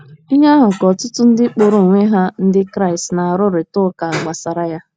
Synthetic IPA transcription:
i˦ɲa˦ɦʊ˨kɔ˨tʊ˦tʊ˦n̩˦dɪ˦k͡po˨ɾo˨ŋʷe˦ɦa˦n̩˦dɪ˦kɾa˦ɪ˨stna˨a˨ɾʊ˦ɾɪ˨tʊ˦ka˨ɡ͡ba˨sa˨ɾa˦ja˦

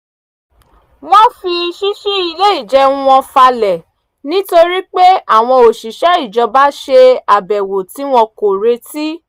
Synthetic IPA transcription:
w̃ɔ̃˦fi˧ʃi˦ʃi˦i˧le˦i˦˨d͡ʒɛ˦ũ˦wɔ̃˧fa˧lɛ˨ | nĩ˦to˧ɾi˦k͡pe˦a˦˨w̃ɔ̃˧o˨ʃi˨ʃɛ˦i˦˨d͡ʒɔ˧ba˦ʃe˧a˨bɛ˨wo˨ti˨˦w̃ɔ̃˧ko˨ɾe˧ti˦

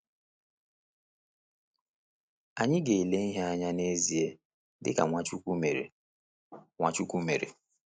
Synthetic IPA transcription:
a˨ɲɪ˦ɡe˨i˨le˦i˦ɦe˦a˦ɲa˦ne˦zi˨e˦ | dɪ̰˦ka̰˨ŋʷa˦t͡ʃu˦ku˦me˨ɾḛ˨ | ŋʷa˨t͡ʃu˦kʷu˦me˨ɾḛ˨

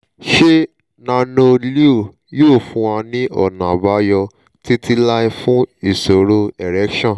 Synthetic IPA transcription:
ʃe˦ | nã˧nõ˧li˦o˦˨ | joː˦˨fũ˧ã˧nĩ˦ʔɔ̰˦˨nã˨ba˨˦jɔ˧ | ti˦ti˧la˦i˧fũ˦i˦˨so˨ɾo˧ɛ˨ɾɛ˨˦kʃɔ̃˦˨

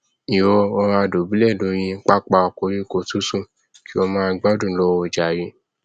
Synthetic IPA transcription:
i˨wɔ˧ɔ˧ɾa˧do˨bu˨˦lɛ˦˨dõ˨˦j̃ĩ˧˦k͡pa˦k͡pa˧o˧˨ko˧˦ɾĩ˦ko˦˨tu˦sũ˦˨ | ki˦o˧mãː˦˧ɡ͡ba˦dũ˦˨˧lɔ˧˦wɔ˧˨d͡ʒa˨ji˧˦

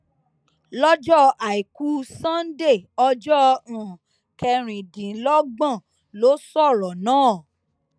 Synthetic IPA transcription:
lɔ˦d͡ʒɔ˦a˨i˨ku˦sã˦n˦de˦˨ɔ˧d͡ʒɔ˦ũ˨ | kɛ˧ɾ̃ĩ˨dĩ˨˦lɔ˦ɡ͡bã˦˨ | lo˨˦sɔ˦˨ɾɔ˨nãː˦˨

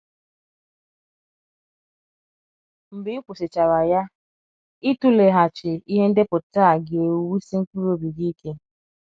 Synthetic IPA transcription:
m̩˨bɪ˨˦i˦kʷu˨sɪ˨t͡ʃa˨ɾa˨ja˦ | i˦tu˦le˨ɦa˨t͡ʃɪ˨i˦ɦe˦n̩˦dɪ˦pʊ˨ta˦˨ɡe˨wi˦si˦ŋ̩˦ku˦ɾo˦bi˨ɡi˦kʰe˦

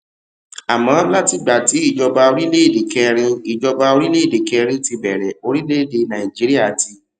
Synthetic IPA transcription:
a˨mã˨˦la˦ti˧ɡ͡ba˨ti˨˦i˦˨d͡ʒɔ˧ba˧o˧ɾi˦le˦i˦˨de˨kɛ˧ɾ̃ĩ˧i˨d͡ʒɔ˧ba˧o˧ɾi˦le˦i˦˨de˨kɛ˧ɾ̃ĩ˦ti˧bɛ˨ɾɛ˨o˧ɾi˦le˦˨de˧nã˨ĩ˨d͡ʒi˨˦ɾi˦a˦˨ti˧

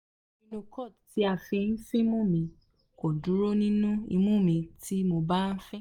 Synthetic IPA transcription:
ĩ˧lo˧kɔ˦˨ti˨˦a˧˨fɛ˧n̩˦fĩ˦mũ˦˨mĩ˧ | kɔ˨du˨˦ɾo˦nĩ˦nũ˦ḭ˧mũ˦˨mĩ˧tʰi˦mo˧ba˦n̩˦fɛ˦

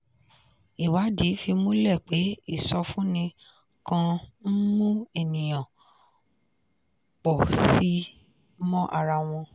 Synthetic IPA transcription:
i˨wa˨˦di˨˦fi˧mõ˦lɛ˦˨k͡pe˨˦i˦˨sɔ˧fũ˦nĩ˧ | kã˧n̩˦mũ˦e˦˨nĩ˨j̃ã˨ | k͡pɔ˨si˨˦ | mɔ̃˦ʔa˧ɾa˧w̃ɔ̃˧

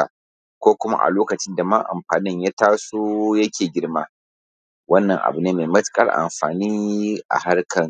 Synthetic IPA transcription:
a̰˨ | kʷoː˦kʷʊ˦ma̰˦ʔa̰˨loː˦kɐ˨t͡ʃɪ˦nda˨ma˦ʔa̰˨mɸaː˨nɪ˦ɲja˦taː˦soː˦jɐ˦kʲʰeː˨ɡʲɪ˦ɽmaː˦ | wɐ˦nːɐ˨ŋʔa̰˨bu˨neː˦meː˨mɐ˦tkʼɐ̰˦rʔa̰˨mɸa̰ː˨niː˦ʔa̰˨ha˦ɽkʰɐ˨ŋ

